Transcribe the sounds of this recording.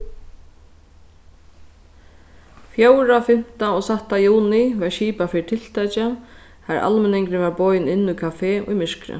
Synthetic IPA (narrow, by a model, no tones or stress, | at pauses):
fjoːwɾafɪm̥t̪aɔsaht̪ajuːnɪʋɛɹʃiːpafɪːt̪ʰɪlt̪ajt͡ʃa | haɾʔa̰lmɛnɪŋkɾɪʋɛɹbɔːjnɪnːujkʰafeːʔʊ̰jmɪʂkɾɪ̰